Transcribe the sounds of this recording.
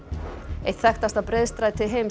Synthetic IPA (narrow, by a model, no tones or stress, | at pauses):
ejht̪θɛxt̪ast̪aðpɾeðst̪ɾaðt̪ʰɪðɦejm